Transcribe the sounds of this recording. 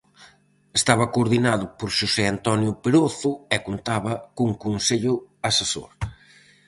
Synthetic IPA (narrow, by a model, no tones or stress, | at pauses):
est̪aβɐkoːɾðinaðʊpoɾʃusɛant̪ɔnjʊpeɾoθʊɛkont̪aβɐkuŋkunseʎʊaseso̰ɾ